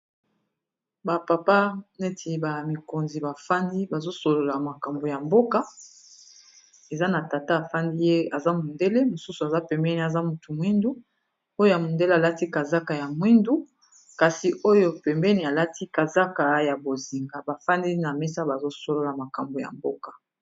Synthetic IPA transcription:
ba˨pa˨pa˦ne˦tʰi˨ba˨mi˨ko˨nzi˨ba˨fa˦ndi˦ba˨zo˦so˨lo˨la˨ma˨ka˨mbo˨ja˨mbo˦ka˦ | e˨za˦na˨ta˨ta˦a˨fa˦ndi˦je˦a˨za˦mu˨nde˦le˦mo˨su˦su˨a˨za˦pɛ˨mbɛ˦ni˨a˨za˦mu˨tu˨mwi˦ndu˦ | o˦jo˦ja˨mu˨nde˦le˦a˨la˦ti˦ka˨za˦ka˨ja˨mwi˦ndu˦ | ka˨si˨ʔo˦jo˦pɛ˨mbɛ˦ni˨a˨la˦tʰi˦ka˨za˦ka˨ja˨bo˨zi˨ŋɡa˨ba˨fa˦ndi˦na˨me˦sa˦ba˨zo˦so˨lo˨la˨ma˨ka˨mbo˨ja̰˨mbo̰˦ka˨

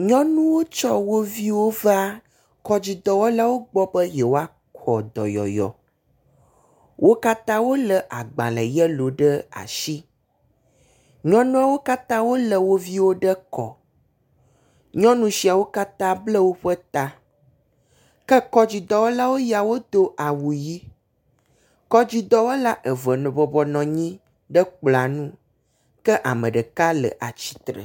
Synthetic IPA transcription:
ɲɔ̃˦nũ˦wo˦t͡ʃɔ˦wo˦vi˦wo˦va˦ | kɔ˦d͡ʑi˨d̪ɔ˨wɔ˦la˦wo˦ɡ͡bɔ˦bə˦jɛ˨wo˦a˦ | kɔ˨d̪ɔ̰˨jɔ̰˨jɔ̰˨ | wʔo˦ka˦t̪ã˦wo˦lə˨ʔa˨ɡ͡bã̰˨lɛ̰˨jɛ˦lo˨ɖə˦a̰˨ʃi˦ | ɲɔ̃˦nũ˦a˦wo˦ka˦t̪ã˦wo˦lə˨wo˦vi˦wo˦ɖə˦kɔ̰˨ | ɲɔ̃˦nũ˦si˨a˨wo˦ka˦t̪ã˦blə˦wo˦ɸə˦t̪a˦ | kə˦kɔ˦d͡ʑi˨d̪ɔ˦wo˦la˦wo˦ja˨wo˦d̪o˦ʔa˨wu˨ji˦ | kɔ˦d͡ʑi˦d̪ɔ˦wo˦la˦ʔə˨və˨nɔ̃˨bɔ˨bɔ˨nɔ̃˨ɲĩ˦ | ɖə˦k͡pla˨nũ˦ | kə˦ʔa̰˨mə̃˨ɖə˨ka˦lə̰˨ʔa˨t͡ɕi̥˨t̪ɾə̰˨

